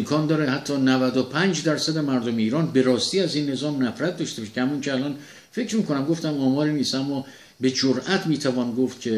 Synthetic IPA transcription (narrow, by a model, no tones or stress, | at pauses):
mkʰɒːnd̪ɒːɾehæt̪ʰːɒːnævæd̪opʰænd͡ʒd̪æɾsæd̪e̞mæɾd̪ome̞iːɾɒːnbe̞ɾɒːst̪iːæziːnːe̞zɒːmnæfɾæt̪̚d̪ɒʃt̪ebɒʃecʰehæmɒːncʰeælɒːn | fe̞cʰɾmiːkʰo̞næmɡo̞ft̪æmɒːmɒːɾiniːst̪æmːɒː | be̞d͡ʒoɾʔæt̪ʰmiːt̪ʰævɒːnɡoft̪̚cʲʰe̞